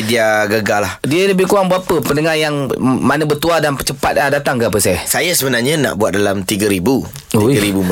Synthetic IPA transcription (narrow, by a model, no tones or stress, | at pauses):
idiaɡəɡalahdiələbɪhkuaŋbuapəpəndəŋajaŋmanəbərt̪uadanpət͡ʃəpat̪̚adat̪aŋkaapəsajasajasəbənarɲana̰ʔbua̰t̪̚dalamt̪iɡaɾibu | uiɡaɾibum